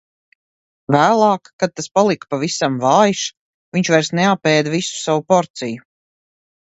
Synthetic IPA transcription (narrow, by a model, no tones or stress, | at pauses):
væːlˠɑːkːad̪̚t̪aspalˠikpavisamvaːjʃ | viɲt͡ʃvajɾsneapɛːd̪visu̥savupɔɾt̪siju